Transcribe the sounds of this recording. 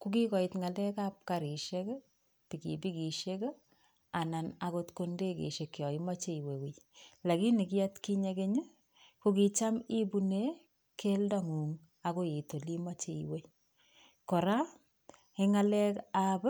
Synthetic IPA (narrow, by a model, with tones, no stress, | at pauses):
ku˦ki˦kɔ˨i˨tŋa˨lɛ˦ka˦p̚kaɾi˨ʃe˦k | pi˨kḭ˨bi˦ki˨ʃe˦k | a˨na˨na˨ko˦tko˦nde˦kḛ˨ʃe˨kjɔ˨i˦ma˦t͡ʃe˦i˨we˨wi˨la˨ki˦ni˨ki˦ja˦tki˦ɲe˦ke˦ɲə˦ | ko˦ki˨t͡ʃa˦mi˦bu˦ne˦ | ke˦lda˦ŋu˨ŋ | a˨ko˦je˨to˨li˦ma˦t͡ʃe˦˨iwe˦ | kɔ˨ɾa˦ | i˦ŋa˦lɛ˦kab